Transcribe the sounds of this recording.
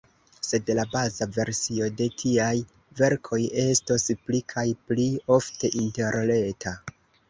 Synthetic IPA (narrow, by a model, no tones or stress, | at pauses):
se̞dlabazave̞ɾsio̞de̞tʰiaj | ve̞ɾkʰo̞je̞stosplikʰajplio̞fte̞ʔinte̞ɾle̞tʰa